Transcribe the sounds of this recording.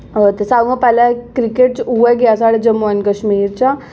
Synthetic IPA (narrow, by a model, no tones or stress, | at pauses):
t̪esaːũŋɡãpɛːlãkɾikeʈt͡ʃueɡeasaɽed͡ʒəmuankəʃmiːɾt͡ɕa